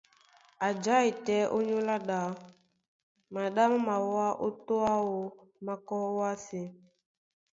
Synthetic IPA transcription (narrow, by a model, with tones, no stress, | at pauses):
a˨d͡ʒa˦i˨tɛ˨˦ʔo˦ɲo˦la˦ɗa˨˦ | ma˨ɗa˦m˦ma˨wa˦ʔo˦to˦a˦wo˨ | ma˦kɔ˦wa˦si˨